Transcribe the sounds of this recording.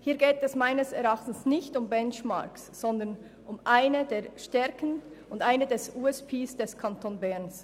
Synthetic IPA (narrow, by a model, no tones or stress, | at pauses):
hiːɐɡeːtɛsmaɪnəsɛɾɑχtn̩snɪçtʊmbɛnt͡ʃma̰ksːɔndən | ʊmʔaɪnədeːʃtɛɐkənʊndaɪnədɛsuːɛspʰeːsd̥ɛskʰantʰoːnbɛɾns